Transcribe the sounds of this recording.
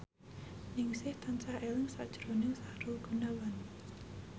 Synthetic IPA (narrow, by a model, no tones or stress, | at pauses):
nɪŋsɪht̪ʰansahɛlɪŋsa̰ʔd̥d͡ʒ̥ɾonɪŋsaɾuɡ̥unawan